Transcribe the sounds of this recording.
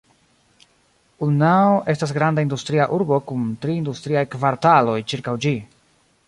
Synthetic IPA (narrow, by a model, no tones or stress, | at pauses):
unaoʔe̞stas̬ɡɾandaindustɾiaʔuɾbo̞kuntɾiːndustɾiajkvaɾtalo̞jt͡ʃiɾkawd͡ʒi